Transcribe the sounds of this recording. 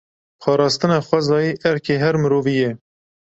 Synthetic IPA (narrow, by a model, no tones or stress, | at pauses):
pʰɑːɾɑːst̪ɨnɑːxʷɛzɑːjiːʔɛɾkʰeːɦɛɾmɨɾoːvijɛ